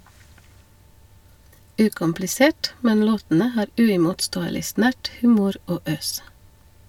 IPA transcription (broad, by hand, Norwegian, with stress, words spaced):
ˈʉːkʊmplɪˌseːʈ ˈmɛn ˈloːtn̩ə ˈhɑːɾ ˈʉːɪmʊtˌstoːəlɪ ˈsnæʈ ˈhʉːmʊɾ ˈoː ˈøːs